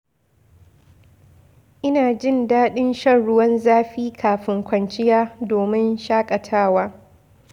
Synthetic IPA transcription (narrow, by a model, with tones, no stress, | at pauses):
ʔɪ˦naː˨d͡ʒɪ˦˨ndaː˦ɗɪ˦nʃɐ˦nɽʊ˦wɐ˦nzaː˦ɸiː˦kʰaː˨ɸɪ˦ŋkʷɐ˨nt͡ʃɪ˦jaː˦doː˨mɪ˦nʃaː˦kʼɐ˨tʰaː˦˨waː˦